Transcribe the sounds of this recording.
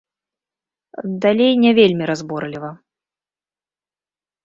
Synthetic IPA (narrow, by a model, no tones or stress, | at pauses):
d̪alʲejnʲɛvʲelʲmʲiɾazbɔrlʲivɐ